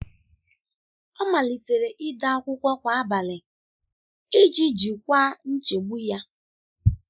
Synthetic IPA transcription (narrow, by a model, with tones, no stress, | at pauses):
ɔ˦ma˨li˨te˨ɾe˨ʔɪ˦da˦ɔ˦kʷʊ˦kʷɔ˦kʷa˨a˦ba˨lɪ˨ | e˦d͡ʒi˦d͡ʒi˨kʷa˦n̩˦t͡ʃe˨ɡ͡bu˦ja˦